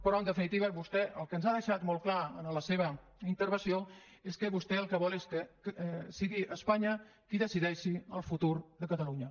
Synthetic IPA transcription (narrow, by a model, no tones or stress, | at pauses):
pəɾɔənd̪əfinit̪iβəβust̪ɛʔəlˠkənzaðəʃat̪molˠklaənələseβ̞ə | int̪əɾβənsio | eskəβust̪ɛəlˠkəβɔleskə | siɣiʔəspaɲəkiðəsiðɛʃiəlˠfut̪uɾðəkət̪əluɲə